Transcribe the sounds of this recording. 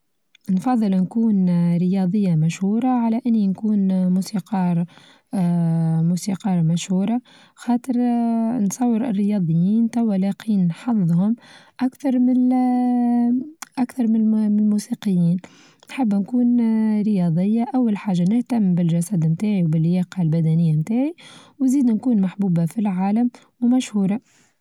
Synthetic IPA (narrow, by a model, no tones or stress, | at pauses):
nfɑðˤːəlnkuːnɾəjɑːd̪ˤəjːamæʃhuːɾˤɑʕalæʔɪnːinkuːnmuːsiːqɑːɾˤ | musiqɑːɾˤmæʃhuːɾˤɑ | xɑːt̪ˤəɾnsˤɑwːəɾɪ̰rːəjɑːd̪ˤəjːiːnt̪awːalɑqiːnːħɑððˤhʊmʔakθɑɾˤmɪn | ʔækθɑɾˤmlmusiːqəjːiːn | nħabːnkuːnɾəjɑːd̪ˤɪjːaʔawːalħaːʒːanɪht̪amːbɪlʒæsæd̪mt̪aːʕiwbɪlːjɑːqɑlbæd̪ænɪjːamt̪aːʕiwnziːd̪nkuːnmaħbuːbafilʕaːlam | wmæʃhuːɾˤɑ